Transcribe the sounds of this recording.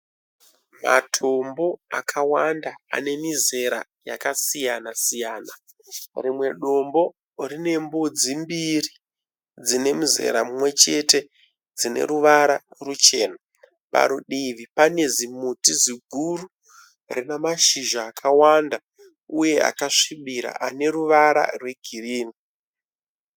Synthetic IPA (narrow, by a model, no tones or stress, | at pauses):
ma̰tʰo̞mbo̞akʰawandaa̰ne̞mize̞ɾa̰ | ja̰kasijanasijaːna | rimwe̞ɗo̞mbo̞ | rine̞mbod͡zimbiri | d͡zine̞muze̞̰ɾamumwe̞t͡ʃe̞te̞ | d͡zine̞̰ɾuʋaɾarut͡ʃe̞ːna | pa̰ɾuɗiʋipane̞zimutiziɡʱuru | rinamaʃiʒaːkʰawanda | uje̞a̰kaʂiɓiɾa̰ʔane̞ɾuʋaɾa̰rwe̞ɡʱiriːni